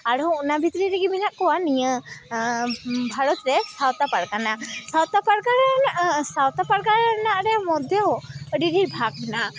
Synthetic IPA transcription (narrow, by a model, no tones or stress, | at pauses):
aɽɔunabʱit̪ɾiɾɛɡiminaʔkɔwanijə | bʱaɾɔt̪ɾɛsawt̪apaɽkanasawt̪apaɽkaɾɛsawt̪apaɽkaɾɛnaʔɾɛmɔd̪ʱjɔwɖiɾiɾbʱaɡ̚na